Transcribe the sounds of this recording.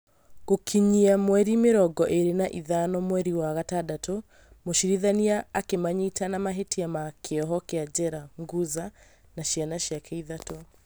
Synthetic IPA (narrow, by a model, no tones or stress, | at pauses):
ɣokʰiɲiamwɛɾimeɾɔɡɔʔeɾenaʔiðanɔmwɛɾiwaɣatadato | moʃiɾiðaniaːkemaɲitanamaɦetiamakʰeɔɦɔkɛad͡ʑɛɾaŋɡuza | naʃjanaʃjakʰɛiðatɔ